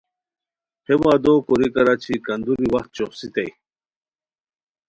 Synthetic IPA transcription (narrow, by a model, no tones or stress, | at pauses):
hemaːd̪okoɾikɐɾat͡ɕʰikɐnd̪uɾiwɐxt̪̚t͡ɕoχsit̪aj